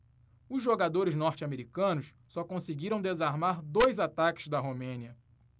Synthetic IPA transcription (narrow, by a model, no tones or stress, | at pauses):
ʊzʒoɡad̪oɾɪznɔɾt͡ʃameɾikɐ̃nʊsːɔkõsɪɡiɾɐ̃w̃d̪ezaɾmaɾd̪ojzat̪akɪ̥zd̪ɐɦomẽniɐ